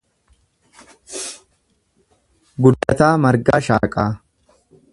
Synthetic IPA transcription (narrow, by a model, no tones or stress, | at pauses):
ɡʊd̪ːɐt̪aːmɐɾɡaːʃa̰ːkʼaː